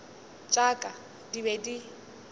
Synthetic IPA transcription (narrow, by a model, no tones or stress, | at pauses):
t͡ʃʼakʼa | dibedi